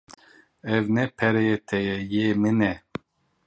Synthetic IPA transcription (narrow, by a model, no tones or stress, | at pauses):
ɛvnɛpʰɛɾɛjet̪ʰɛjɛjeːmɨnɛ